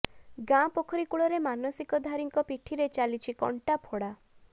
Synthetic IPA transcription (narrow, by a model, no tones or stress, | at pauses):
ɡãpokʰɔɾikuɭɔɾemanɔsikɔd̪ʱaɾiŋkɔpiʈʰiɾet͡ʃalit͡ʃʰikɔ̰ɳʈapʰoɽa